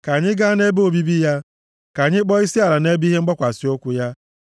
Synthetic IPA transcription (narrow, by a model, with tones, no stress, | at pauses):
ka˨ɲɪ˦ɡa˦ne˦bo˨bi˦bi˦ja˦ | ka˨ɲɪ˦k͡pɔ˦i˦si˦a˨ɾa˨ne˦bi˦ɦe˦ŋ͡m̩˦ɡ͡bɔ˦kʷa˨si˨o˦kʷʊ˦ja˦